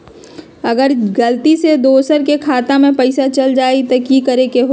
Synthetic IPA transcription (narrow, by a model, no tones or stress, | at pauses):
ɐɡəɾɡɐlt̪ised̪oːsəɾkekʰaːt̪amẽpɐɪsat͡ʃɐld͡ʒaːet̪okikɐɾekeɦo